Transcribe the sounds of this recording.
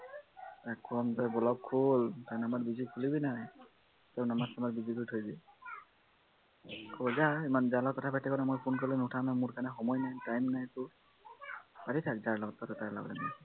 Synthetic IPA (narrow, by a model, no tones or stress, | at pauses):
akʰːɔmtɔjbɔlɔb̚kʰultanamat̚bizikʰulibinaj | tɛwnamatsamatbizikʰuɹitʰojzɛ | kʰɔbɔzaimanzalɔkɔtʰapajtːɛkɔnamojpʰunkɔlɛnutʰamnamuɹkaɹnɛxɔmɔjnajtajmnajtʊ | patitʰak̚zaɹlɔɡɔt̚patɔtaɹla̰ɡɔ̰lɛ̰na̰j